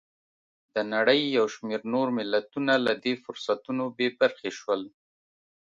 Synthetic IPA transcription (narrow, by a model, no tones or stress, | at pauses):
d̪̥ənaɽəjːawʃmeɾnoɾmɪlat̪unalad̪efʊɾsat̪unobebaɾxeʃwəl